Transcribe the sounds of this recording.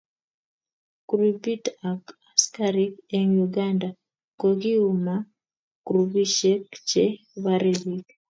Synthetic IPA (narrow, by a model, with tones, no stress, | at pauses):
kuɾubi˦ta˨ka˨skaɾikɛ˨ŋjuɡanda˨ | ko˨ɡi˦uma | kuɾu˨bi˦ʃɛ˦kt͡ʃe˦ | βaɾebi˦k